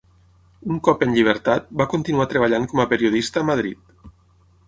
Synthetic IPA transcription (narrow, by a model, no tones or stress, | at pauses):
uŋkɔpənʎiβ̞əɾt̪at̪̚bakunt̪inuat̪ɾeβ̞aʎaŋkɔməpeɾioð̞ist̪əːmað̞ɾḭt̪̚